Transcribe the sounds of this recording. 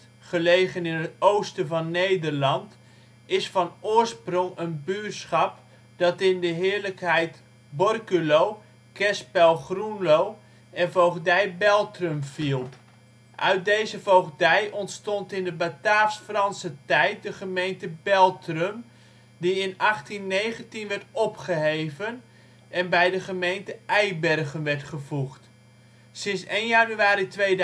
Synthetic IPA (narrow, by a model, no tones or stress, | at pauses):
χəlejχənɪnətowstəvɑnːejdərlɑnt | ɪsfɑnʊːɹsprɔŋənbysχɑp | d̥ɑtɪndəɦɪːɹləkɦɛjt | bɔrkylow | kɛspɛlˠχrunlow | ɛnvowχdɛjbɛlˠtrəmv̥ilˠ | ʔœ̰ɥt̚dejzəvowɣdɛjʔɔntstɔntɪndəbataːsfrɑnsətɛjt̚dəχəmejntəbɛlˠtrəm | diɪnɑχtinːejχəntinʋɛrtɔpχəɦejvən | ɛnbɛjdəχəmejntəɛjbɛrɣənʋɛrtχəvuχt | sɪnsejnjanyaːɾitʋe